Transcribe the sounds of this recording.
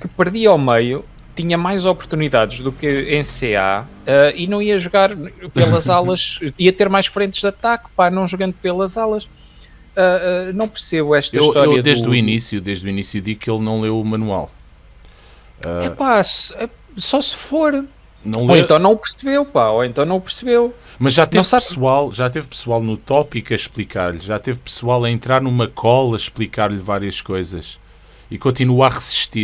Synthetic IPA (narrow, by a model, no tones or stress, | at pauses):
kɨpɨɾðiawmeju | t̪iɲɐmajzɔpʊɾt̪uniðaðʒðukɨẽsea̰ | ɛinɐ̃w̃iɐʒuɣaɾpelˠɐzalˠɐʃiɐt̪eɾmajʃfɾẽnt̪ʒðɐt̪akpanɐ̃w̃ʒuɣɐ̃nd̪upelˠɐzalˠɐʃ | ɛɛnɐ̃w̃pɨɾseβuɛʃt̪ɐiiʃt̪ɔɾeiɐðd̪eʒðuinisjuðeʒðuinisjuðikelˠnɐ̃w̃lˠewumɐnwa̰lˠ | ɛɛpasɛ | sɔsɨ̥foɾ | nɐ̃w̃lˠoẽnɐ̃w̃nɐ̃w̃pɨɾsɨβewpaoẽnt̪ɐ̃w̃nɐ̃w̃pɨɾsɨβew | mɐʒʒat̪ẽsapsualˠʒat̪evpɨ̥swalˠnut̪ɔpikɐʃplˠikʰaɾʎʒat̪evpɨ̥sualˠɐẽnt̪ɾaɾnumɐkʰɔlˠɐʃplˠikaɾʎvaɾiɐʃkojzɐʃ | ikõnt̪inuaʁɨziʃt̪i